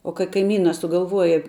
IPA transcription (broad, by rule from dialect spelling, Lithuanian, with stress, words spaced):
oː kɐ kɐɪˈmʲiːnɐ sʊɡɐlˠˈʋuɔjɛ